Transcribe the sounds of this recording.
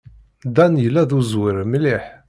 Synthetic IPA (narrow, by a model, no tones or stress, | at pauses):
d̪ænjəlːæðuzwiɾmliħ